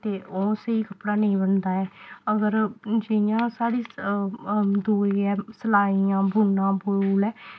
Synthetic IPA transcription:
t̪eːʔoːseiːkəpɽaːnəĩːbənd̪aːɛːəɡəɾd͡ʒɪjãːsaːɽiː | d̪uːiːɛːsəlaːiːjãːbʱuːnãːbʱouːlɛː

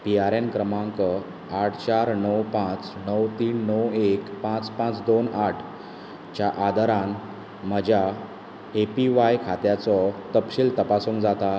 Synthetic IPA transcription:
piaɾenkɾəmãŋkə | aʈʰt͡ɕaɾnəwpãt͡snəwt̪iːnːəwekpãt͡spãt͡sd̪onaʈʰ | t͡ɕjaʔad̪əɾãn | m̤əd͡ʑʱja | epiʋajkʰat̪jat͡sɔt̪əpɕilt̪əpasũŋkd͡zat̪a

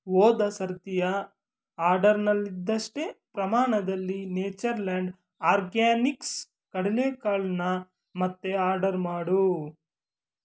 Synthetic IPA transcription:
wɔːd̪ɐsɐɾt̪ijɐ | aːɾɖɐɾnɐlːid̪ːɐʂʈepɾɐmaːɳɐd̪ɐlːineːt͡ʃɐɾlaːɳɖ | aːɾɡaːniks | kɐɽileːkaːɭnɐ | mɐt̪ːeaːɾɖɐɾmaːɽu

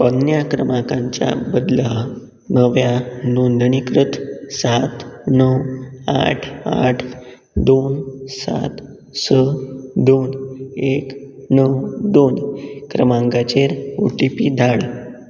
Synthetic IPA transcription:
pənːjakɾəmãkãɲt͡ɕja̰bəd̪la | nəʋjanond̪ʱɳikɾut̪ʰsat̪nəwa̰ʈʰa̰ʈʰ | d̪onsa̰t̪ | səd̪oneknəwd̪onkɾəmãŋɡat͡ɕeɾo̰ʈipiːd̪ʱaɭ

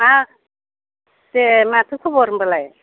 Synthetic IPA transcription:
a | semat̪ʰɯkʰubɔɾɯmbalaj

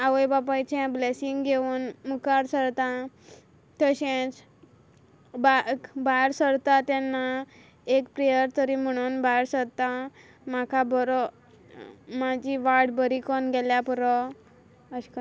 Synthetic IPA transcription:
aʋəjbapajt͡ɕɛ̃blɛsiŋɡɡeuːnmukaɾsəɾt̪ã | t̪əɕẽt͡s | bakbajɾsəɾt̪at̪ɛnːa | ekpɾejəɾt̪əɾim̤əɽ̃uːnbajɾsəɽt̪a | makʰabɔɾɔ | mad͡ʑiʋaɾɽbəɾikɔnɡɛljapuɾɔ | əɕk

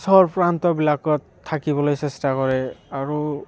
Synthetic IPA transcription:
sɔɔɹpɹantɔbilakɔtʰːakibɔlojsɛstakɔɹɛaɹu

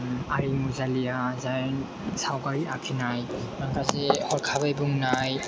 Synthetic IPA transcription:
aɾimuzalijazajn | sawɡaɾiakʰinajmankʰazehɔɾkʰabajbuŋnaj

